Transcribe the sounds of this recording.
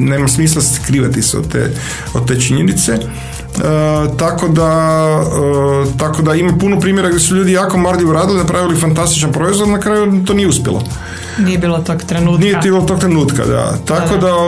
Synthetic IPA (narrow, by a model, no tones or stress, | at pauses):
ne̞ːmasmiːs̬lˠaskɾiːʋat̪iseo̰d̪t̪ḛː | od̪̚t̪e̞ːt͡ʃiɲenit̪se | t̪ako̞d̪a | ət̪akod̪aimapunopɾiːmjeɾaɡd̪ʲjʲesuʎuːd̪ijaːko̞maɾd̪iʋoɾaːd̪ilinapɾaʋilifant̪ast̪it͡ʃanpɾoizʋodnakɾaːjut̪oːnijeuspjḛlo̰ | niebiːlot̪oɡt̪ɾenunijet̪bilot̪o̞k̚t̪ɾenuːt̪ka̰d̪a̰t̪akod̪a